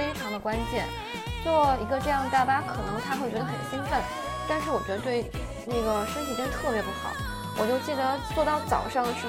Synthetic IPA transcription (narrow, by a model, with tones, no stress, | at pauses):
e˥ɪʈ͡ʂʰɑ˧˥ŋd̪ə˧kwa˥nt͡ɕjɛ˥˩n | t͡swɔ˥˩ɔ˥˩i˧˥ɡə˧ʈ͡ʂɤ˥˧jɑ˥˧ŋd̪ə˩t̪a˥˩pa˥kʰɤ˨˩nɤ˧˥ŋt̪ʰa˥xwe˥˩t͡ɕɥɛ˧˥d̪ə˧xə̰˨˩nɕi˥nfə˥˩n | t̪a˥˧nʂɻ̩˥˩wɔ˨˩t͡ɕɥɛ˧˥d̪ə˧t̪we˥˧ɪ | na˥˩ɡə˩ʂə˥nt̪ʰi˨˩ʈ͡ʂə˥ŋt̪ʰɤ˥˩pjɛ˧˥pu˧˥xɑ̰˨˩˦ʊ | wɔ˨˩t͡ɕjo˥˧ʊt͡ɕi˥˩d̪ə˩t͡swɔ˥˧t̪ɑ˥˩ʊt͡sɑ̰˨˩ʊʂɑ˥˩ŋə˩ʂɻ̩˥˩